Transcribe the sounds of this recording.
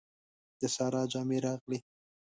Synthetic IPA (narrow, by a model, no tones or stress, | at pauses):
d̪̥əsɑɾɑd͡ʒɑmeɾɑɣli